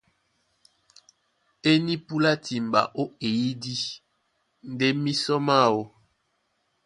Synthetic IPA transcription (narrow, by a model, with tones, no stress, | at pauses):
e˦ni˦pu˦la˦ti˨m˨ba̰˨ʔo˦e˨ji˦di˦ | n̩˦de˦mi˦sɔ˦ma˦˨wo˦